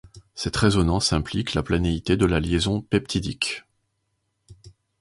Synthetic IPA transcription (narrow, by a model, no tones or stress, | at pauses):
sɛt̪χezɔnɑ̃sɛ̃pliklaplaneit̪ed̪əlaljezɔ̃pɛpt̪ʰid̪ik